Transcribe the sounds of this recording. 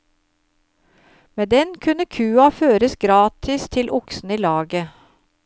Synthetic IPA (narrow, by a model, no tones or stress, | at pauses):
meːd̪ɛnkʰʉnəkʰʉːɑføːɾəsɡɾɑːt̪ʰɪst̪ʰɪlʔʊksn̩iːlɑːɡə